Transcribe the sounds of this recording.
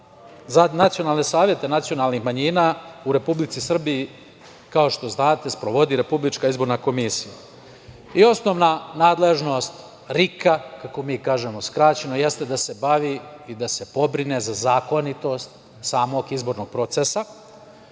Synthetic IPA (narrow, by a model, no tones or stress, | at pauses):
zanat̪sio̞naːlˠne̞saːʋje̞t̪e̞nat̪sio̞naːlˠnixmaɲiːnauɾe̞publit̪sisr̩biː | kao̞ʃt̪o̞znaːt̪e̞spɾoʋo̞d̪iɾe̞publit͡ʃkaizbo̞ɾnako̞misija | io̞sno̞ʋnanaːd̪le̞ʒno̞st̪ | ɾikakako̞miːkaːʒe̞mo̞skɾaːt͡ɕe̞no̞je̞st̪e̞d̪ase̞baʋiid̪ase̞po̞bɾine̞zazaːko̞nit̪o̞st̪̚ | saːmo̞ɡizbo̞ːɾno̞ɡ̥̚pɾo̞t̪sesa